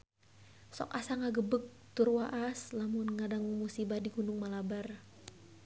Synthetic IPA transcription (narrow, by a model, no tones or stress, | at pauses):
sɔ̰kasaŋaɡəbək̚t̪urwaʔaslamʊnŋadaŋmusibadiɡunʊŋmalabar